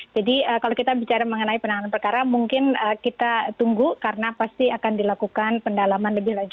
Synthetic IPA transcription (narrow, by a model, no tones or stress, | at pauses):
d͡ʒadiəkalawkit̪abit͡ʃaɾaməŋənaipənaananpərkaɾamuŋkɪnəkit̪at̪uŋɡukaɾənapast̪iakandilakukanpəndalamanləbɪhlad͡ʒ